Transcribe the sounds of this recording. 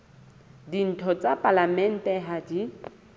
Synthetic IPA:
din̩tʰɔt͡sapʼalamɛn̩tʼɛɦadi

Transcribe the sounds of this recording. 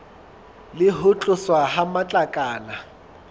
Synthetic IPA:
lɪɦʊt͡ɬʼʊswahamat͡ɬʼakʼaːna

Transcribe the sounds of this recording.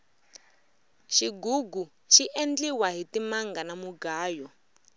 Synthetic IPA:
ʃiɡuɡu | ʃiʔend͡ɮiwaɦitimaŋɡanamuɡaːjɔ

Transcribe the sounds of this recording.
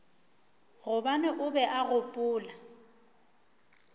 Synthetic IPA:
ɣʊbanɛʔʊbɛʔaɣʊpʼʊːla

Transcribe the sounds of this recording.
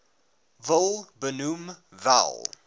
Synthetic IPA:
vəlˠbənum | va̰lˠ

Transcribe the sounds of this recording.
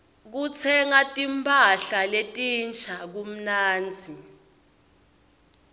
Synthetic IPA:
k̬ut͡sʰɛŋatʼimpʰʼaɬaletʼint͡ʃʰak̬um̩naːnd͡zʱi

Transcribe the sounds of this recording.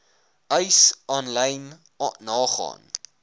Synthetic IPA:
œɥsɑːnlɛjnː | ɑːχɑ̰ːn

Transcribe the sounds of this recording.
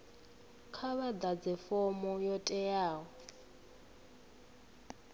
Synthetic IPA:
kʰaβad̪ad͡zɛfɔmɔjɔtʼɛjaːɣɔ

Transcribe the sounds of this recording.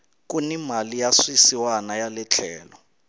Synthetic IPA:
k̬ʼunimalijaswisiwanajalɛt͡ɬʰɛːlɔ

